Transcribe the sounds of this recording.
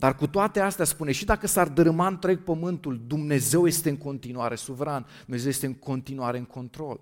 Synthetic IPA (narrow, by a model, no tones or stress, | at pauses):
d̪̥arkut̪oat̪e̞ast̪aspune̞ʃid̪akəsard̪ɨɾmaɨnt̪ɾeɡ̚pəmɨnt̪uld̪umne̞ze̞wje̞st̪e̞ɨŋko̞nt̪inuaɾe̞suvɾand̪umeze̞wjest̪eɨŋkʰo̞nt̪inuaɾe̞ɨŋkʰo̞nt̪ɾo̞l